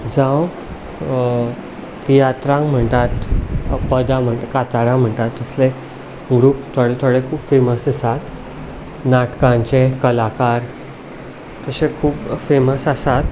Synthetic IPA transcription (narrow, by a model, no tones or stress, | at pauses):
d͡zãw | pijat̪ɾãŋɡm̤əɳt̪at̪pəd̪am̤əɳʈ̪kat̪aɽãm̤əɳʈ̪at̪ːəsle | ɡɾuːp̚t̪ʰoɽet̪ʰoɽekʰuːpfeməsəsat̪ | naʈkãɲt͡ɕekəlakaɾ | t̪əsekʰuːpfeməsəsat̪